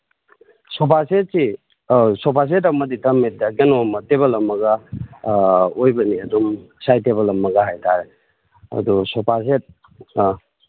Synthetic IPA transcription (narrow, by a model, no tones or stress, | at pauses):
sɔpaset̚si | sɔpʰas̬etɐmɐditɐmet̚dɐɡenomɐteβɐlɐmːɐɡɐ | ojbɐniɐdumsajteβɐlɐmːɐɡɐɦajtʰaɾe | ɐ̰dusɔpʰas̬et̚